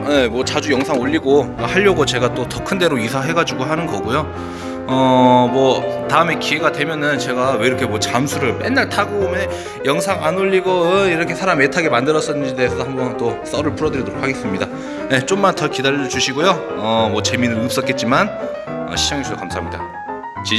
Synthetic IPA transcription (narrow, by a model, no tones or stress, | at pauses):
jemwʌt͡ɕad͡ʑujʌŋsʰaŋoʎːiɡohaʎːʌɡot͡ɕe̞ɡat͈otʌkʰɯnde̞ɾoisʰaɦe̞ɡad͡ʑiɡoɦanɯnɡʌɡojo | ʌmwʌtaɯme̞kie̞ɡadwe̞mjʌnɯnt͡ɕe̞ɡawe̞iɾʌkʰe̞mwʌt͡ɕamsʰuɾɯɭpenːaɭtʰaɡoomjʌn | jʌŋsʰaŋʔanoʎːiɡʌɯiɾʌkʰe̞sʰaɾametʰaɡe̞mandɯɾʌs͈ʌnideːsʰʌhambʌnt͈os͈ʌɾɯɭpuɾʌdɯɾidoɾokʰːaɡe̞s͈ɯmɲida | je̞t͡ɕ͈omːantʰʌkidaʎːʌt͡ɕuɕʰiɡojoʌmwʌt͡ɕe̞minɯɭɯp̚s͈ʌtk͈e̞t̚t͡ɕ͈iman | ʌ̰ɕʰid͡ʑaŋɦesʰuokamsʰaɦamɲida̰ | t͡ɕi